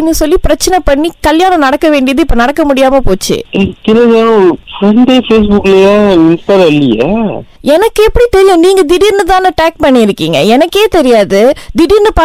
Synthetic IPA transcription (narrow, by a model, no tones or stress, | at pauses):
ɪnːɯsɔlːipɪɾɐt͡ʃːɐnɛpɐɳːikɐljaːnɐ̃nɐɽɐkːɐʋeːɳɖɪjɐðɯɪpːonɐɽɐkːɐmʊɽɪjaːmɐpoːt͡ʃːɯ̰ɪt̪ɪɾɐðɐnʊ̃fɾɐɳɖeːfeːs̬bʊkːlejõːɪnstaːɾɛlːɪjɐ̰ | ɛnɐkːɯɛpːɐɽit̪ɛɾɪjʊ̃niːŋɡɐd̪ɪɽɪɾnɯt̪ãːnɐʈaːk̚pɐɳːɪɪɾɯkːiːŋɡɐ̰ɛnɐkːeːt̪ɛɾɪjaːðɯd̪ɪɽiɾnɯpa